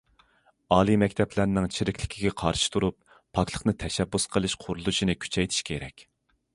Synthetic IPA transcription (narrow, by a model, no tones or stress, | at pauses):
ɑːlˠimɛkʲt̪ʰɛplæɾnɪŋt͡ʃʰiɾɪkʲlɪkʲʰiɡʲɛqʰɑɾʃi̥t̪ʰuɾup̚ːʰ | ɑkʰlˠəχnɨt̪ʰɛʃɛbːusqʰəlˠɨʃqʰʊɾulˠuʃinɨkʲʰy̥t͡ʃʰɛjt̪ʰi̥ʃkʲʰeɾɛkʲ